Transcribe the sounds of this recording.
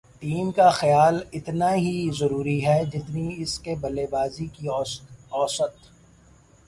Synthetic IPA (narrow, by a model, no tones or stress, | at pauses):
ʈiːmkaxɐjaːlɪt̪naɦizɐɾuːɾiɦɛd͡ʒɪt̪niɪskebɐleːbaːzikiɔːsət̪